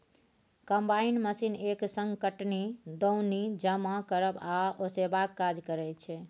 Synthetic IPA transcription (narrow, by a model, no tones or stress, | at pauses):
kəmbainməsineksə̃ŋɡkəʈnid̪oʊnid͡ʒəmakəɾəbaosebakːad͡ʒkəɾɛt͡ʃʰɛ